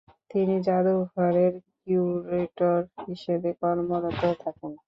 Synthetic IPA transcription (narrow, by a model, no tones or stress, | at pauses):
t̪inid͡ʑad̪uɡʱɔɾeɾkuɾeʈoɾɦiʃebekɔɾmoɾot̪ot̪ʰaken